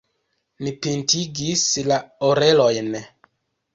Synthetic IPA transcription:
nipintiɡislaoɾelojn

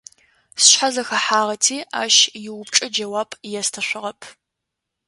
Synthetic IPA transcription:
sɕħazɐxɐħaːʁɐtʰiːʔa̰ːʃjɪwʊp̚ʈ͡ʂʼɐd͡ʒɐwaːpʼʰjɛstʰɐɕʷɪʁɐpʰ

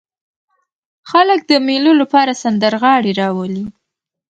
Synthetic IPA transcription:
xalək̚d̪əmelulapɑɾasand̪əɾɣɑɽiɾɑwəli

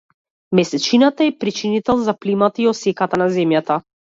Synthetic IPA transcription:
mɛsɛt͡ʃinat̪aɛpɾit͡ʃinit̪ɛlˠzaplimat̪aiɔsɛkat̪anazɛmjat̪a

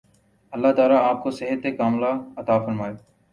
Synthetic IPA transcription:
ɐlːaːt̪aːlaaːp̚kosɪɦət̪ekaːmlaːɐt̪aːfəɾmaːeː

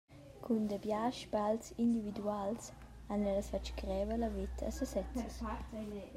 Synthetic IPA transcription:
kʰund̪əbjaʃbalsind̪ivid̪uals | anɛlsfat͡ʃkɾɛːvəlavit̪ʰa̰səsɛt͡səs

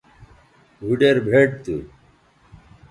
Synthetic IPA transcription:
ɡʱuɖeɾbʱeʈ̚t̪ṵ

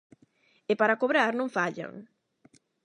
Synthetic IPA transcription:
epaɾakoβɾaɾnõŋfaʎa̰ŋ

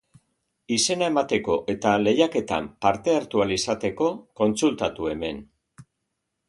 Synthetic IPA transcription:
ise̞nae̞mat̪e̞ko̞ʔe̞t̪ale̞jake̞t̪a̰mpaɾt̪e̞aɾt̪ualisat̪e̞ko̞ko̞nt͡sult̪at̪ue̞me̞n

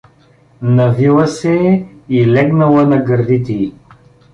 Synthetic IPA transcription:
nɐvilˠəsɛɛilɛɡnɐlˠənɐɡəɾd̪it̪ɛi

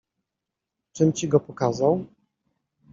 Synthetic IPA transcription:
t͡ʂɘmt͡ɕiɡɔpɔkazaw

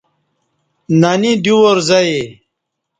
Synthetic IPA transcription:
nanid̪uwoɾzɐe

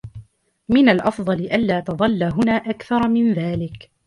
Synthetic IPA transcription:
mɪnalʔɑfd̪ˤɑlɪʔanlaːt̪ɑðˤɑlːaɦʊnaːʔakθɑɾˤmɪnðaːlɪk

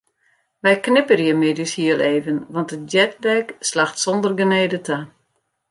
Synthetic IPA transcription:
ʋɛjknɪpərjəmɪdyshiəlˠeːvənʋɑntət̚dɛtdɛkslaxtsɔndərɡəneːdəta

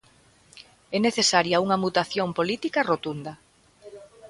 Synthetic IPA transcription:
ɛneθesaɾjauŋɐmut̪aθjompolit̪ikɐrot̪und̪ɐ

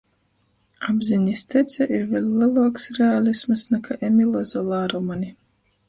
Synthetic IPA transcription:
abziɲist̪ɛt̪sʲɛʔiɾvʲelʲlʲɛlˠaːksɾealʲˠismɨsnɛkʰaʔemʲilˠɔzɔlˠaːɾumanʲi

